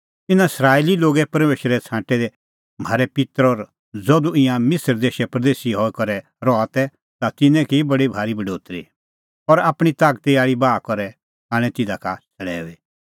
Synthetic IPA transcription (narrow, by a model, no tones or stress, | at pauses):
t̪ɪnãɪsɾaːililoːɡɛpɐɾmeːʃɾɛt͡sʰãːʈɛd̪ɛ | m̤aːɾɛpɪt̪ɾɔːɾ | d͡zɔd̪uɪ̃jãmɪsəɾd̪eːʃɛpɾɐd̪eːsiɦɔːikɔɾɛ | ɾɔat̪ɛ | t̪at̪ɪnɛ̃kibɐɽibʱaːɾibɐɖoːt̪ɾḭ | ɔɾaːpɽ̃it̪aːɡt̪iaːɭibaːkɔɾɛ | aːɽ̃ɛ̃t̪ɪd̪akasɐɽɛ̰ːi